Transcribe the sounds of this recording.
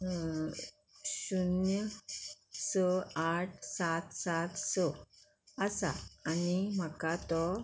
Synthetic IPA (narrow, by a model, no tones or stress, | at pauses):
ɕunjə | səaʈʰsat̪sat̪sə | əsa̰ːnim̤əkat̪ɔ